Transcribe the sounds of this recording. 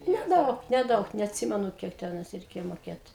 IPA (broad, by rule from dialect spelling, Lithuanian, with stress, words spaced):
nʲɛˈdɐʊk nʲɛˈdɐʊk nʲɛɐtʲˈsʲɪmʲɛnʊ ˈkʲiɛk tʲɛˈnɐɪs rʲɛɪˈkʲeːjɛ moːˈkʲeːt